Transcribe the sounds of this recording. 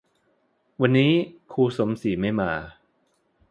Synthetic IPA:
wa˧nːiː˦˥kʰuː˧so˩˦msi˨˩˦ma˥˩jmaː˧

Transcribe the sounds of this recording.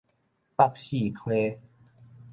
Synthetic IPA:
pa˥˧˨k̚ɕi˥˧˨kʰwe˦

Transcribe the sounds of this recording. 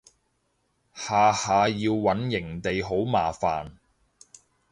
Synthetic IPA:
haː˨haː˨jiː˧wːɐ˨˥njɪ˨˩ŋt̪e˨jɦo˨˥wmaː˨˩fa̰ː˨n

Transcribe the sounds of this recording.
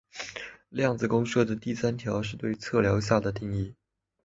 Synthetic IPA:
ljɑ˥˩ŋd͡zɹ̩˨˩kʊ˥ŋʂɤ˥˩d̪ə˩t̪i˥˩sa˥nt̪ʰjɑ˧˥ʊʂɻ̩˥˧t̪we˥˧ɪt͡sʰɤ˥˩ljɑ˧˥ʊɕja˥˩d̪ə˩t̪i˥˧ŋi˥˩

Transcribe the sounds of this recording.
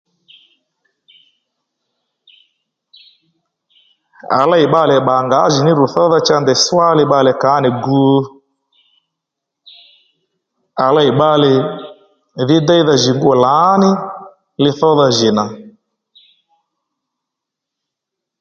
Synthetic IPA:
a̰˨la˦i˨ɓa˧lɛ˨ɓa˨ŋɡa˨˦ʒɪ˨nɪ˦ɾu˨θɔ˦ða˦t͡ʃa˦ndɛ˨swa˦lɪ˦ɓa˧lɛ˨ka˨˦nɪ˨ɡu˦ | a˨la˦˨i˨ɓa˦lɪ˨ | ðɪ˦da˦i˦ða˦ʒɪ˨ŋɡu˦ɔ˨la˨˦nɪ˦ | lɪ˧θɔ˦ða˧ʒɪ˨na˨

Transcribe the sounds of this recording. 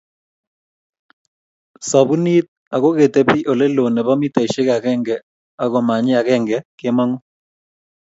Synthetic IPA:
sa˨bu˦ni˦t̪̚ | a˨ɣo˦ɣe˨te˦pi˦ʔo˨le˦lo˨ne˨ba˦mi˦ta˨i˨ʃe˦ka˨kɛ˦ŋɡɛ˨ | a˨ɣɔ˨ma˨ɲɪ˦a˨ɣɛ˦ŋɡɛ˨kɪ˦ma˦ŋɔ˦

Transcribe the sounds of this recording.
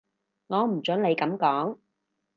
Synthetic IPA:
ŋɔː˨˧m̩˨˩t͡ʃɵ˨˥nle˨˧jkɐ˨˥mkɔː˨˥ŋ

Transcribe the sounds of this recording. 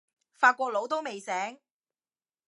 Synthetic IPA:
faː˧t̚kʷɔː˧k̚lo˨˥wt̪o˥wme˨jsɛː˨˥ŋ

